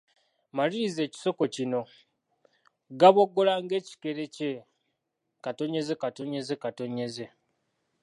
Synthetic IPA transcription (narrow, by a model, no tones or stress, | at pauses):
maliize̞ːci̥so̞ko̞cino̞ | ɡaβo̞ɡːolaŋɡe̞ːci̥ke̞ɾe̞ce | kato̞ɲe̞ze̞kato̞ɲe̞zekato̞ɲe̞ze̞